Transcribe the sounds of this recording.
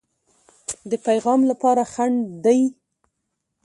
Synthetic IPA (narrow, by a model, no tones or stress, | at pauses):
d̪əpajɣɑmlapɑɾaxaɳd̪aj